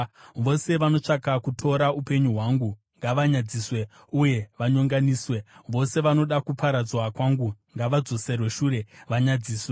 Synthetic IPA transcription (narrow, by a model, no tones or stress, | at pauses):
ʋo̞se̞ʋano̞t͡ʂakakutʰo̞ɾaupe̞ɲuɦwaːŋɡu | ŋɡaʋaɲad͡ziːswe̞ | uje̞ʋaɲoŋɡaniːswe̞ʋo̞se̞ʋano̞ɗakupaɾad͡zwakwaŋɡuŋɡaʋad͡zo̞se̞rweʃuːɾe̞ʋaɲad͡ziːswe